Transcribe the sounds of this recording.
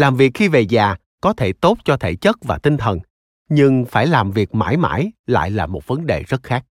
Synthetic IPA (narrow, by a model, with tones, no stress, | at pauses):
laː˨˩mvi˨˩ək̚xi˧ve˨˩zaː˨˩ | kɔ˨˦t̪ʰe˧˩t̪o˦˥t̚t͡ɕɔ˧t̪ʰe˧˩t͡ɕə˦˥t̚vaː˨˩t̪ï˧ŋt̪ʰə˨˩n | ɲɨ˧ŋfaː˧˩jlaː˨˩mvi˨˩ək̚ma̰ː˧˩jma̰ː˧˩jla̰ː˧˨jlaː˨˩mo˨˩t̚və˨˦nɗe˨˩zə˦˥t̚xaː˦˥k̚